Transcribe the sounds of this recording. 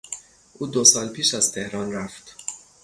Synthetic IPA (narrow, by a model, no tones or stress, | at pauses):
ʔuːd̪osɒːlpʰiːʃæz̥t̪ʰe̞hɾɒːnræft̪